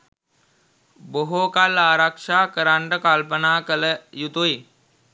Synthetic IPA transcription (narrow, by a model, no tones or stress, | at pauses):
boɦokalaːɾakʂaːkəɾaɳʈəkalpənaːkələjut̪ui